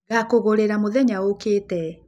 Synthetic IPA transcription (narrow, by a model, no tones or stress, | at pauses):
ɣakoɣoɾeɾamoðɛɲaokeːtɛ